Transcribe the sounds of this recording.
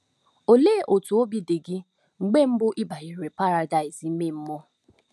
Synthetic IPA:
o˨leː˦˨ʔo˨tu˨o˦bi˦de˨ɡɪ˦ | ŋ͡m̩˨ɡ͡be˦m̩˦bʊ˦ʔi˦ba˨i˨ɾe˨pa˦ɾa˨da˨ɪ˨zi˦me˦˨m̩˦mɔ˦

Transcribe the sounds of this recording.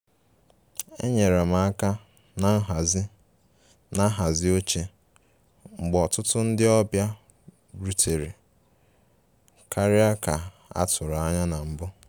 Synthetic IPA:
ḛ˦ɲe˨ɾe˨ma˨a˦ka˦ | na˨n̩˦ɦa˨zɪ˦ | na˦ɦa˨zɪ˦o˦t͡ʃe˦ | ŋ͡m̩˨ɡ͡bɔ˨tʊ˦tʊ˦n̩˦dɪ˦ɔ˦bja˦ | bɾu˦tʰe˨ɾi˨ | kʰa˦ɾɪ˦a˦ka˨ | a̰˦tʊ˨ɾa˦ɲa˦na˨m̩˨bʊ˦

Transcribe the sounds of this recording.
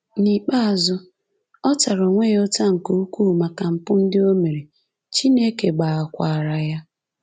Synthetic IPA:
ni˨k͡pa˦a˨zʊ˦ | ɔ˦ta˨ɾo˨ŋʷe˦jo˦ta˦ŋ̩˨ku˦u˦kʷuː˦˨ma˨ka˨m̩˨pʊ˦n̩˦dɪ˦o˦me˨ɾe˨ | t͡ʃi˦ne˦ke˨ɡ͡ba˨a˨kʷa˨ɾa˨ja˦

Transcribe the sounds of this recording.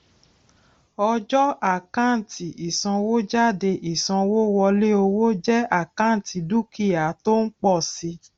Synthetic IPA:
ɔ˧d͡ʒɔ˦a˦˨kã˦˨n̩˨tʰi˨i˨sã˧wo˦d͡ʒa˦˨de˧ʔi˨sã˧wo˦wɔ˧le˦o˧wo˦d͡ʒɛ˦a˦˨kã˦˨ti˧du˦ki˦˨ja˨to˦n̩˦k͡pɔ˦˨si˧˦

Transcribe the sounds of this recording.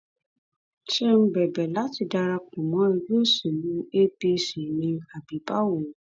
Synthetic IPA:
ʃe˦m̩̃˦bɛ˨bɛ˨la˨˦ti˧da˧ɾa˧kũ˨mɔ̃˨˦i˧ɡo˦˨se˨nũ˨˦e˦pe˧˦si˨nĩ˧a˨bi˨˦ba˦wo˨

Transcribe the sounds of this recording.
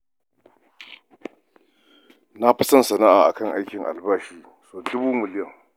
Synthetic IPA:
na˦ɸɪ˦sɐ˦nsɐ˨na˦ʔaː˨ʔa̰˨kɐ˦˨ŋʔa˦jkʲɪ˨ŋʔa̰˨lbaː˦ʃiː˨ | soː˦˨dʊ˦buː˦mɪ˨lɪ˦jɐ˨ŋ

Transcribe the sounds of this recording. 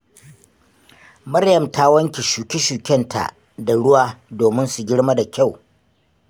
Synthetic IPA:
mɐ˦rjɐ˨mtaː˦wɐ˦ŋkʲi˨ʃuː˨kʲi˦ʃuː˨kʲɛ˦ntʰa̰˨ʔ | da˨ɽʊ˦waː˦doː˨mɪ˦nsu˨ɡʲɪ˦ɽma˦da˨kʲa˦˨w

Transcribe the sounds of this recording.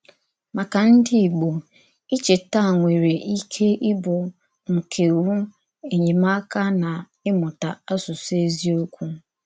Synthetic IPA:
ma˨ka˨n̩˦dɪ˦i˨ɡ͡bo˨ | i˦t͡ʃe˨ta˦˨ŋʷe˨ɾe˨ʔi˦kʰe˦ʔɪ˦bʊ˨ | ŋ̩˨kʰe˨wu˦ | e˨ɲe˨ma˦ka˦na˨ | ɪ˦mʊ˨ta˨a˦sʊ˨se˦zi˦o˦kʷu˦

